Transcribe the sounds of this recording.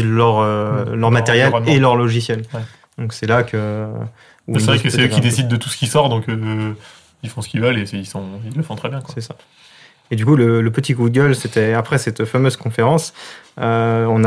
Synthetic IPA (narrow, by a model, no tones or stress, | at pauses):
lœʁølœʁmat̪eʁjɛlelœʁlɔʒisjɛl | d̪̥ɔ̃ksɛlakə | uisɛʁɛkəsɛøkid̪esid̪̚ːət̪usə̥kʲisɔʁd̪ɔ̃kø | ilfɔ̃sə̥kʲivœlesilsɔ̃ilːəfɔ̃t̪χɛbjɛ̃kwasɛsa | ed̪ykulələpət̪iɡud̪əɡʲœlset̪ɛapχɛsɛt̪famøzkɔ̃feʁɑ̃søɔ̃na